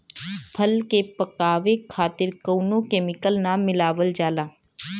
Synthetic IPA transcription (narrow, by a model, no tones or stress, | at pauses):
pʰɐlkepɐkaːʋekʰaːt̪ɪɾkoːnõkeːmɪkəlnaːmːɪlaːʋəld͡ʒaːlaː